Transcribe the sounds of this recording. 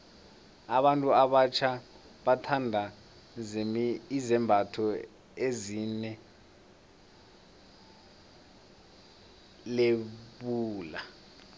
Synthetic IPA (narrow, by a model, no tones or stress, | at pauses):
aɓantʼuaɓat͡ʃʰa | ɓatʰandʱa | izɛmbʱatʰɔ | ezinɛ | leɓuːla